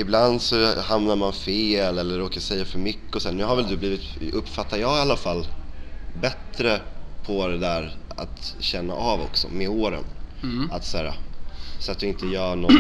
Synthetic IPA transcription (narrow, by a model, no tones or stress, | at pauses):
ɪbland̪sɔhamnaɾmanfeːlɛlːəɾːoːkasɛjːafœɾmʏkːəɔsɛːɳʉ̟ːɦaɾvɛld̪ɵbliːvɪt̪ɵpːfat̪ːaɾjɑːɪalːafalː | bɛt̪ːɾəpʰɔd̪ɛd̪æːɾa̰t̪ɕɛnːa̰ʔavɔ̰ksɔ̰meoːɾə̰nat̪sæːɾa̰sat̪̚d̪ɵɪnt̪əjœːɳɔ